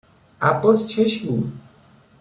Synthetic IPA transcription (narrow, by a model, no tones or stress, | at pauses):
a̰post͡ɕʰeʃbu